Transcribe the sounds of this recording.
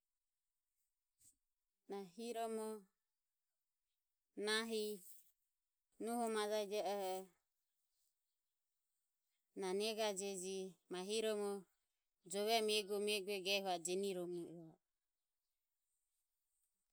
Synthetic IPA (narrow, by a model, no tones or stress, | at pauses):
naɦiɾɔmɔ | naɦi | nuhɔmad͡ʒaid͡ʒɛʔɔhɔ | nanɛɡad͡ʒɛd͡ʒimaɦiɾɔmɔ | d͡ʒɔβɛmɛɡɔmɛɡuɛɡɛhɔad͡ʒɛniɾɔmuʔua